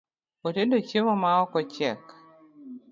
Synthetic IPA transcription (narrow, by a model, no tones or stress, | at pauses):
otedot͡ʃemɔmaɔkɔt͡ʃɛk